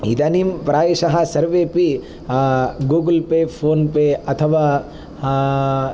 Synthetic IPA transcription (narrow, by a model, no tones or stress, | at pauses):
id̪animpɾaːʋeʃɐɦɐ̆sɐɾʋeːpi | ɡuːɡlpepʰoːnpeɐt̪ʰɐʋaː